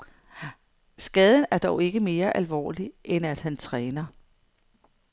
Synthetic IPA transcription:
sɡ̥ɛð̞ˠən̩æɐd̥ɒʊe̝ɡ̥əme̝ːɐʔælʋɒ̰ːliʔenæd̥hænt͡sʰʁɛːnɐ

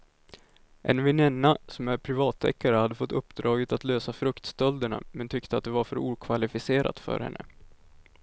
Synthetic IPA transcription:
ʔɛ̰nvɪnɛnːasɔmæɾpʰɾɪvɑːt̪ʰːɛ̰kːaɾəhad̪ːəfɔt̪ːɵpːd̪ɾɑːɡət̪at̪løːsafɾɵkt̪st̪œld̪əɳa̰mɛnt̪ʰʏkt̪əat̪̚d̪ɛvaɾfœɾuːkʰvalɪfɪseːɾa̰t̪fœ̰ɾhɛ̰nːə̰

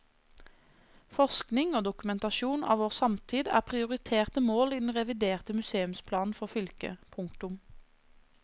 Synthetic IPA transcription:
fɔʁsknɪŋoːd̪ʊkʉmɛnt̪ɑʃuːnɑ̰ːʋoːʁsɑmt̪ʰiːd̪æ̰ːʁpʰʁɪʊʁɪt̪ʰeːʁt̪əmoːliːd̪n̩ʁɛʋɪd̪eːʁt̪əmʉseːʉmspʰlɑːnn̩fɔʁfʏlkə̰pʰʊŋkt̪ʊm

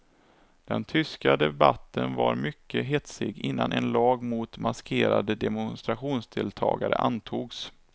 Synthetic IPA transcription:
d̪̥ɛnt̪ʰʏskad̪ɛbat̪ːənvaɾmʏkːəɦɛt̪sɪɡɪnːanʔɛnlɑːɡmʊt̪maskʰeːɾad̪əd̪ɛmʊnst̪ɾaɧuːnsd̪ɪlt̪ʰɑ̰ːɡaɾə̰ʔant̪ʰuːɡs

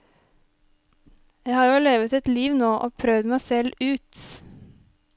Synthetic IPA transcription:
jæɪhɑːɾjʊːleːʋət̪ɛt̪liːʋnoːʔoːpʰɾœʋd̪mæɪsɛlʉːt̪

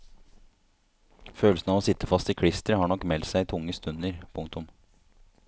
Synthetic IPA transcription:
føːlsnɑʋoːsɪt̪ːəfɑst̪ɪkʰɽɪst̪əɾhɑːɳɔkːmɛlt̪sæɪt̪ʰʊŋːəst̪ʉnəɾpʰʊŋkt̪ʊm

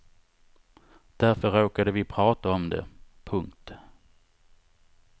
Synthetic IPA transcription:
d̪̥æɾfœɾoːkad̪əvɪpʰɾɑːt̪aɔmd̪ɛ̰pʰɵŋkt̪

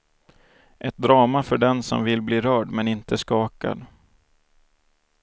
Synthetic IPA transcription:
ʔɛt̪̚d̪ɾɑːmafœɖɛnsɔ̰mvɪlbliːɾœːɖmɛnɪnt̪əskɑːka̰d̪

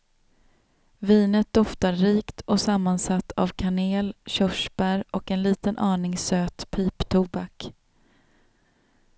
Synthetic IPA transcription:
viːnət̪̚d̪ɔft̪aɾɾiːkt̪ʰɔsamːansat̪ːa̰vkʰaneːlɕœʂb̥æɾɔkɛnliːt̪ənʔɑːɳɪŋsøːt̪pʰiːpt̪ʰubak

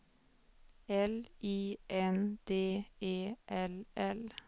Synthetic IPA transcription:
ɛliːʔɛnd̪̥eːeːʔɛlɛl

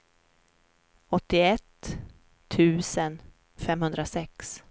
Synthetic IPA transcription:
ɔt̪ːɪɛt̪ʰː | ʉ̟ːsən | fɛmhɵnd̪ɾasɛks

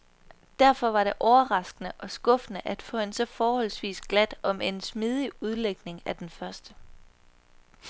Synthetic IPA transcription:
d̥æɐ̰fɒ̽ʋɑ̈ɾe̝ʔɒʊɐʁɑ̈sɡ̥ənəʔɒ̽sɡ̥ɔ̽fnəʔæd̥fɔ̰̽ːhe̝nsɒ̽fɒːhɒ̽l̰sʋḭːsɡ̥læd̥ɒ̽mʔe̝nsmið̞ˠiuð̞ˠleɡ̥ne̝ŋæd̥enfɶɐsd̥ə

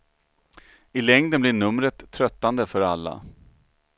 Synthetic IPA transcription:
ɪlɛŋd̪ənblɪɳɵmɾət̪ʰːɾœt̪ːand̪əfœɾalːa̰

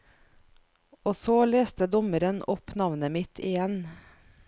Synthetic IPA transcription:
oːsoːleːst̪əd̪ɔməɾənɔpnɑʋnəmɪt̪ʰɪjɛn

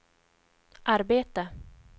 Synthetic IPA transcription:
ʔaɾbeːt̪ə

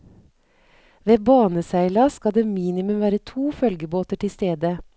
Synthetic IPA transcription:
ʋeːbɑːnəsæɪlɑskɑd̪eːmiːnɪmʉmʋæːɾət̪ʰuːfœlɡəboːt̪əʈʰɪst̪eːd̪ə

